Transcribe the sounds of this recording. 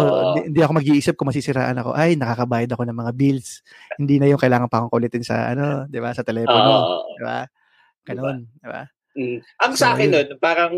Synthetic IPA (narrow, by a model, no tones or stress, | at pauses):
oiɪnd̪iʔɐkomɐɡ̚iʔiːsɐp̚kʊŋmɐsisɪɾa̰ːʔɐnɐko̞̰ʔajnɐkaːkɐbaːjɐd̪ɐko̞nɐŋmɐŋabils | hɪnd̪iːnɐjoŋkɐjlaːŋɐnpɐʔkoŋkɐʔʊlɛt̪ɪnsɐ̰ʔɐ̰no̞d̪ɪbasɐt̪ɛlɛːpoo̰d̪ɪba̰ | ɡ̥ɐno̞nd̪ɪba̰ | ʔɐŋsɐakɪnːonpaːɾɐŋ